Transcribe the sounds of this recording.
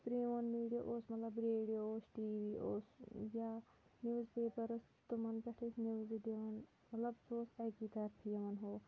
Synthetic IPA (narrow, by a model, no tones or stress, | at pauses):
pɾiːʋɐnmiːɖijɐʔosmɐt̪lɐbɾeːɖijooːsʈiːʋiːʔoːsja | njuːzpeːpɐɾɐs | t̪umɐnpɐʈʰisniʋzid̪eʋɐn | mɐt̪lɐbsoːsɛːkit̪ɐɾpʰijɐʋɐnɦoː